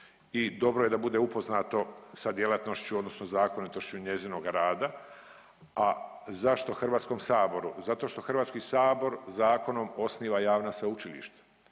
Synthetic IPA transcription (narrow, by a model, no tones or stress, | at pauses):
id̪o̞bɾoje̞d̪abud̪e̞upo̞znaːt̪o̞sad̪jelat̪no̞ʃt͡ɕuo̞d̪no̞snozaːko̞nit̪o̞ʃt͡ɕuɲe̞ziːnoɡaɾaːd̪a | azaʃt̪o̞xrʋaːt̪sko̞msaːbo̞ɾuzat̪o̞ːʃt̪o̞xr̩ʋaːt̪skisaːbo̞ɾzaːko̞nomo̞sniːʋajaːʋnasʋaut͡ʃilḭʃt̪ḁ